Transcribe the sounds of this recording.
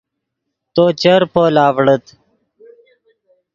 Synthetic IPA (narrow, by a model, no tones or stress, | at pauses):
t̪oːt͡ɕəɾpoːlaːwɽət̪